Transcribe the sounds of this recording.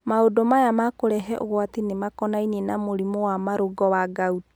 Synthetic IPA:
maodomajamakoɾɛɦɛʔo̰ɣwatinemakɔnainenamoɾimowamaɾoɡɔwaɡauti̥

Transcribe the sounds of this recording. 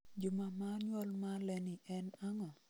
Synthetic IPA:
d͡ʒʊmamaɲwɔlmalɛnɪʔɛnaŋɔ

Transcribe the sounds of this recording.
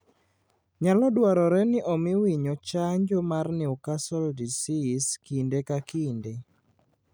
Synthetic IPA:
ɲalɔdwaɾɔɾɛnɪʔɔmɪwiɲɔt͡ʃaɲd͡ʒɔmarnɪɔkasɔldisiskindekakinde

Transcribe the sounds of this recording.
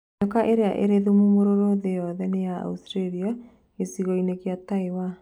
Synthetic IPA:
ɔkaʔeɾeaʔḛɾeðumumoɾoɾoðejɔðɛnejaa̰ustɾeɾia | esiɣɔinekeataewa

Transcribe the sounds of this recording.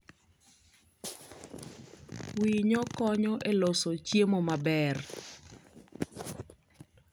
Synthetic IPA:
wiɲɔkɔɲɔʔelosot͡ʃjemomabɛr

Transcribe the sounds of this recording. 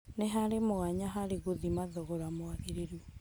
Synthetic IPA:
neɦaɾemoɣaɲaɦaɾeɣoðimaðɔɣɔɾamwaðeɾeɾu

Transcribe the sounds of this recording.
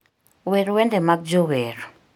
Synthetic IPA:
wɛɾuwɛndɛmak̚d͡ʒowɛɾu̥

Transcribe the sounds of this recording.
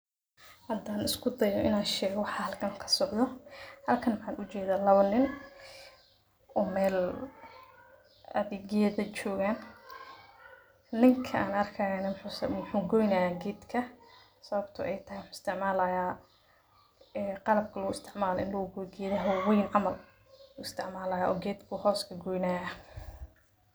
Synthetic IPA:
hɐd̪aːnɪskʰʊd̪ɐjɔʔɪnaːʃɛːɣɔwɑħɑhɐlkʰɐŋkʰɐ̥sɔʕðɔhɐlkʰɐnwħɑːnʔʊt͡ʃɛːðaːlɐβɐnɪn | ʔɔːmɛːl | ʔɐ̰ðɛːɡɐðɐt͡ʃɔːɣaːn | nɪŋkʰɐaːnɐrkʰɐjaːnɐmʊħʊːsʊħuːŋɡɔjnɐjaːɡɛːd̪kʰɐ | sɐβɐbt̪ʰʊ̰ʔɛjt̪ʰɐhɛjwɑħʊɪ̥st̪ʰɪʕmaːlɐjaː | ɛːqɑlɐb̚kʰɐlɐɣʊɪst̪ʰɪʕmaːlɔɪnlɐʊɡɔɡɛːðɐɦɔwwɔjnʕɑmɐl | uːɪst̪ʰɪʕmaːlɐjaːʔɔːɡɛːd̪kʰʊhɔːskʰɐɡɔːjnaːja

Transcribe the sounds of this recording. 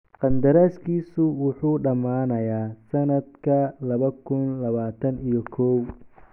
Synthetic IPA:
qɑnd̪ɐɾaːskʰiːsʊwʊħuːɖɐmaːnɐjaːsɐnɐd̪kʰɐlɐβɐkʰʊnlɐβaːt̪ʰɐnijɔkʰɔːw

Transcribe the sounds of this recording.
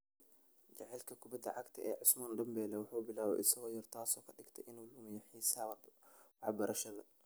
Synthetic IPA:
d͡ʒɐʕɛlkʰɐkʰʊbɐd̪ɐ̰ʕɑkt̪ʰɐʔɛːʕʊsmaːnd̪ɐmbɛːlɛwʊħuːbɪlaːwɛ̰ʔɪsɐɣɔːjɔrt̪ʰaːsɔːkʰɐɗɪɡt̪ʰɐʔɪnʊluːmɪjɐħiːsaːwwɑħbɐɾʔɐʃɐðɐ

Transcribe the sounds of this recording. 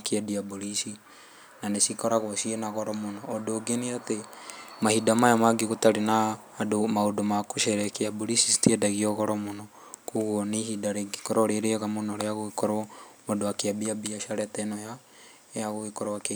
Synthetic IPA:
kiadiabolisi | nanesikɔɾaɣosienaɣɔɾɔmonɔːdoːɡeniatemahidamajamaɡeɣotaɾenaː | domaodomakoʃeɾɛkeabolisisi̥tiedaɣiɔɣɔɾɔmonɔ | kuɣonihidaɾeɡikɔɾɔɾeɾeɣamonɔɾeaɣoekɔɾmodoakeabiabiaʃaɾɛtɛnoja | jaɣoekɔɾɔwake

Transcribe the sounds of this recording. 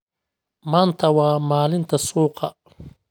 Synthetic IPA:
mant̪ʰɐwamaːlint̪ɐsoːqa

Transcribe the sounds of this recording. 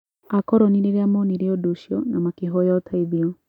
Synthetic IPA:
akɔɾɔniɾeɾɛamɔniɾiɔduʃjɔnamakeɦɔjɔtʰaiðjɔ

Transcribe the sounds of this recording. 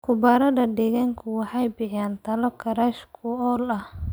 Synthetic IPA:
kʰʊbɐɾɐdɐɖɛɣaŋkʰʊwɑħɑjbɪħaːnt̪ʰɐlɔkʰɐɾaːʃkʰʊɔːlɐh

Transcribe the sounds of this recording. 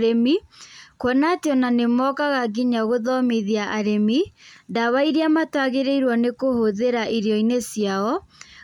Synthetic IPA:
ɾemikwɔnateɔnanemɔkaɣaɡiɲaɣoðɔmiðiaʔaɾemidaβaiɾiamatwaɣeɾeiɾwɔnekohoðeɾaʔiɾjɔinesjaɔ

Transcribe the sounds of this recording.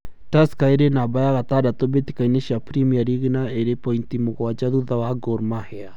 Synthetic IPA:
taskaeɾenabajaɣat̪adat̪obet̪i̥kaineʃapɾimiaɾiɣinaeɾepɔint̪imoɣwad͡ʒaðuðawaɡɔɾmahɛa

